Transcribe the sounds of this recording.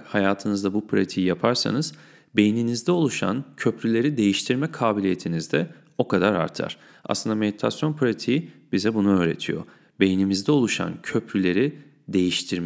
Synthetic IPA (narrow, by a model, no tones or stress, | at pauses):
hajaːt̪ʰɯnɯzd̪abupʰɾat̪ʰijapʰaɾsa̰nɯz̥ | be̞jininizd̪ɛo̞lˠuʃa̰ncʰøpɾylʲe̞ɾid̪e̞jiʃt̪ʰiɾmɛkʰaːbilʲije̞t̪ʰinizd̪ɛ | o̞kʰad̪aɾa̰ɾt̪ʰa̰ɾ̥ | ʔa̰slˠɯnd̪ame̞d̪it̪ʰasjo̞npʰɾat̪ʰiibizɛbunuøːɾe̞̰t̪ʰḭjo̞̰ | be̞jinimizd̪ɛo̞lˠuʃa̰ncʰø̞pʰɾylʲe̞ɾi | d̪e̞jiʃt̪ʰiɾm